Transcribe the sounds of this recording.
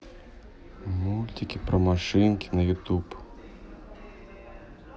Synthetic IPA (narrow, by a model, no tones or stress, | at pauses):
mulʲt̪ʲikʲipɾɐmaʂɪnkʲinɐjut̪up